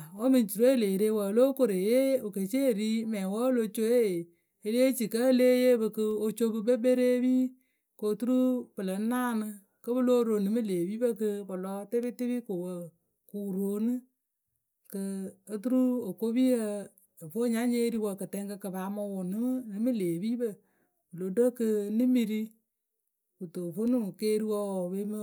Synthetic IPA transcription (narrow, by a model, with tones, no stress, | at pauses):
wə˦mɨ˨n˦t͡ʃu˨ɾo˦e˦leː˨ɾe˦wə˨lo˦ko˦ɾe˨je˦o˨ke˨t͡ʃe˦˨ɾi˦mɛː˨wə˦lo˦t͡ʃo˦e˦˨ | e˨˦le˦t͡ʃi˨kə˦leː˦je˦bɨ˧kɨ˧o˧t͡ʃo˦bɨ˧be˦be˦ɾe˦biː˦ | ko˨tu˦ɾu˦pɨ˨lɨ˨˦naː˦˨nɨ˧ | kɨ˦bɨ˦lo˦ɾo˨nɨ˨mɨ˦leː˨bi˦bə˦kɨ˧bɨ˨lɔː˦te˦bi˦te˦βi˦ko˨wə˨ | ku˨ɾo˨˦nɨ˦ | kɨː˨˦t̬u˦ɾu˦o˨ko˦bi˦jə˦˨ | fo˦ɲa˦ɲe˦ɾi˦wə˧kɨ˨tɛ˦ŋkɨ˧kɨ˨βa˨˦mɔ˧wo˨nɨ˦m˦nɨ˨˦mɨ˦leː˨bi˦bə˨ | bɨ˨lo˨do˦kɨ˧nɨ˦mi˨ɾi˦ | u˨to˨fo˦nɨ˦˨ke˦ɾi˦wɔ˦˨be˦mə˦